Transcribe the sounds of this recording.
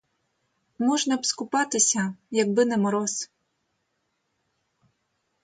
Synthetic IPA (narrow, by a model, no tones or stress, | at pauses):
mɔʒnɐpskʊpɑt̪ɪsʲɐjɐɡ̚bɪnɛmɔɾɔs